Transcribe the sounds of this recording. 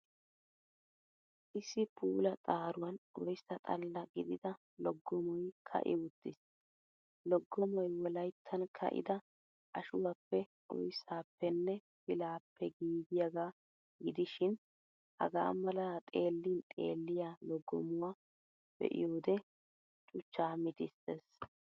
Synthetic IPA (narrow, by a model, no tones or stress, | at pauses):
ʔɪsːɪpʰuːlɐt̪ʼaːɾʊwɐnʔɔjsɐt̪ʼɐlːɐɡɪd̪ɪd̪ɐ | lɔɡːɔmɔjkʰɐ̰ʔɪ̰ʊt̪ːɪs | lɔɡːɔmɔjwɔlɐjt̪ʰːɐnkʰɐ̰ʔɪ̰d̪ɐ | ʔɐʃʊwapːɛ | ʔɔ̰jsaːpːɛnːɛ | fɪlaːpːɛɡiːɡɪjɐɡaː | ɡɪd̪ɪʃɪn | hɐ̰ɡa̰ːmɐlɐt̪ʼe̞ːlːiːnt̪ʼe̞̰ːlːɪjaːlɔɡːɔmʊwaː | b̥ɛ̰ʔɪ̰joːd̪ɛ | t͡ʃʼʊt͡ʃːaːmɪt̪ɪses